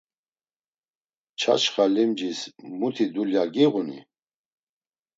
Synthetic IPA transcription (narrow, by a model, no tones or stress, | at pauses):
t͡ʃʰa̰t͡ʃχalimd͡ʒismut̪ʰid̪uljaɡiʁunḭ